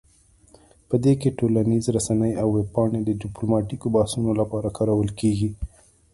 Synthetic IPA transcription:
pəd̪ekeʈolanizɾasanəjawːeb̚pɑɽed̪əɖɪplomɑʈikobɑhsunolapɑɾakɑɾawəlkeɡi

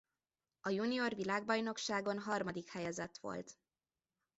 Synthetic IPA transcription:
ɒjunijo̞rʋilaːɡ̚bɒjno̞kʃaːɡo̞nɦɒrmɒd̪ikhɛjɛzɛt̪ʋo̞̰lt̪

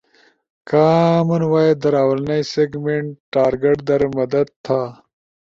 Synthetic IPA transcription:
kaːmunwaːjed̪ɐɾaːwɐlnɐjseɡmeɳʈːaːɾɡeʈd̪ɐɾmɐd̪ɐd̪̚t̪ʰːaː

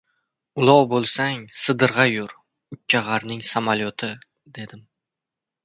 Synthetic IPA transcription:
ʊlˠɒwbolˠsaŋsɨd̪ɨɾʁɑjʊɾ | ʊt͡ʃʰːaʁaɾnɪŋsamaljot̪ʰɪ | d̪e̞d̪ɪm

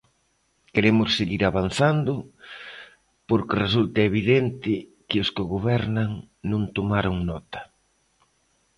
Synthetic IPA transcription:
keɾemʊsːeɣiɾaβan̟θand̪ʊ | poɾkɪresult̪ɐeβ̞iðent̪ɪkɪʊskɪɣoβɛɾnaŋ | nõŋt̪omaɾʊŋnɔt̪ɐ̥

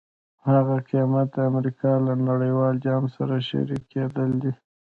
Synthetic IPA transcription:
haɣaqimat̪̚d̪əamɾikɑlanaɽəjwɑld͡ʒɑmsaɾaʃa̰ɾikʰed̪əld̪i

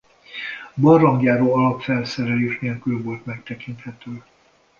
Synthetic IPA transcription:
bɒrːɒŋɡjaːɾoːɒlɒpfɛlsɛɾɛleːʃneːlkylvo̞lt̪mɛk̚t̪ɛkint̪hɛt̪øː

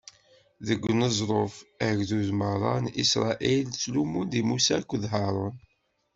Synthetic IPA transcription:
ðəɡʷːnəzˤɾˤofæʝðuðmərˤɑ̰nisɾˤɑ̰ʔilt͡sːlumund̪imusækʷːðɦɑɾˤon

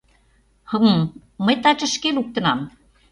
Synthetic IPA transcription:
hɤ̆mɤmː | əjt̪ɑt͡ɕə̆ʃkeluk̚t̪ə̆nɑm

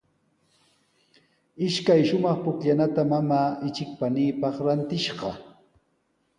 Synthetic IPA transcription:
ɪʃkajʃʊmɑχpʊkʎanat̪amamaːʔɪt͡ʃɪk̚paniːpɑχɾant̪ɪʃɢɑ

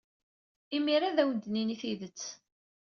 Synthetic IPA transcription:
imiɾaðæwənd̪niniθiðət͡sː

